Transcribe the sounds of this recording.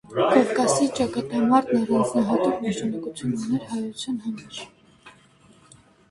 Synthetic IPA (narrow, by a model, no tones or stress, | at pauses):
kɔvkɑsit͡ʃɑkɑt̪ɑmɑɾt̪nɔrɑnt͡snɑɦɑt̪uknɑʃɑnɑkut͡sʰjunɑnɛɾɦɑjut͡sʰjɑnhɑmɑɾ